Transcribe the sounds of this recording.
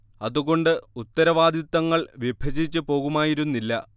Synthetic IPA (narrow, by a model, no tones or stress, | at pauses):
ɐðuɣo̞ɳɖɨut̪ːɐɾɐʋaːd̪ʱit̪ːɐŋːɐɭʋjebʱɐd͡ʑit͡ɕːɨpo̞ːɣumaːjiɾunːilːɐ